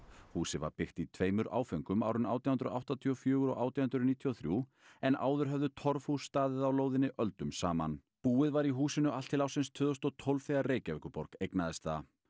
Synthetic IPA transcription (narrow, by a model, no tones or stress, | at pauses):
huːsɪva̰ɾpɪht̪it̪ʰveːjmʏɾʔa̰ːwfejŋkʏma̰ːwɾʏnaːwt̪jahʏnɾʏ̰ʔa̰wht̪at̪ʰiɔfjœːɣʏɾɔ̰ɣaːwt̪jahʏnt̪ɾʏniːt̪ʰiɔwθɾju | ɛnʔa̰ːwðʏɾ̥ɦœvðʏt̪ʰɔɾfhusːt̪aːðɪðawloːwðɪnɪʔœlt̪ʏmsaːma̰n | puːɪðvaɾiɦuːsɪnʏʔal̥t̪ʰːɪlawsɪnst̪ʰvœːðʏst̪ɔt̪ʰɔwlvfeɣareːjcavɛkʏpɔɾkejknaðɛst̪a